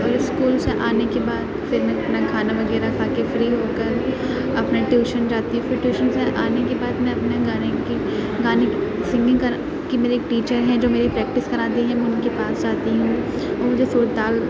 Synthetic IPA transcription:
ɔːɾɪskuːlseʔaːnekebaːd̪fɪɾmɛ̃ɐpnakʰaːnaʋɐɡɛːɾakʰaːkefɾiːɦoːkɐɾ | ɐpnaʈjuːʃənd͡ʒaːt̪iɦũfɪɾʈjuːʃənseʔaːnekebaːd̪mɛ̃ɐpneɡaːneki | ɡaːnesɪ̃ŋɡɪ̃ŋkɐɾ | kimeːɾeːk̚ʈiːt͡ʃəɾɦɛ̃d͡ʒoːmeːɾepɾɛːk̚ʈɪskɐɾaːd̪iɦɛmɛ̃ʊnkepaːsd͡ʒaːt̪iɦũː | omʊd͡ʒʱesuːɾt̪aːl

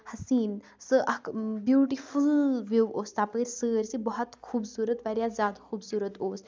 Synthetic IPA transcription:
hɐsiːn | sɨʔɐkbjuːʈifulʋiʋoːst̪aːpəːɾʲsəːɾʲsibɔɦɔt̪kʰuːbsuːɾət̪ʋaɾjazjaːd̪kʰuːbsuːɾət̪oːs

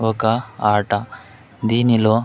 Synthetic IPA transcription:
ɔkɐaːʈɐ | d̪iːniloː

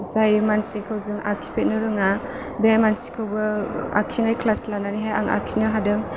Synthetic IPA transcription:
zajmansikʰawzɯŋa̰k̚ʰi̥pʰet̚nɯɾɯŋa | beajmansi̥kʰawbɐa̰kʰinajkʰlaslananiɦaja̰ŋa̰kʰinɯɦadɯŋ

